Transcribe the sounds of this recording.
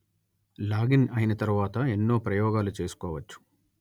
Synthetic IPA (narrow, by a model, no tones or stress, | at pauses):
laːɡinɐjinɐt̪ɐɾuʋaːt̪ɐenːo̞ːpɾɐjɔːɡaːlut͡ʃe̞ːsu̥kɔːʋɐt͡ʃːu̥